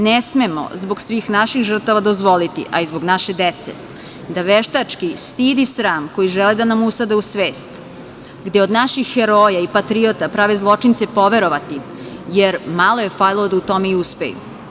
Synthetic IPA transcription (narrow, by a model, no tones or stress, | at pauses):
nesmemo̰zboɡsʋiːxnaʃixʒr̩t̪aʋad̪ozʋo̞lit̪ḭʔaizbo̞ɡnaʃed̪et̪sḛ | d̪aʋeʃt̪at͡ʂkist̪iːd̪isɾaːmko̞jiʒeled̪anamusad̪eusʋeːst̪ | ɡd̪jeod̪naʃixːeɾoːjaipat̪ɾiot̪apɾaʋezlˠo̞t͡ʂint̪sepo̞ʋe̞ɾo̞ʋat̪i | jeɾmalˠo̞je̞fajlˠod̪aut̪o̞meiuspḛjṵ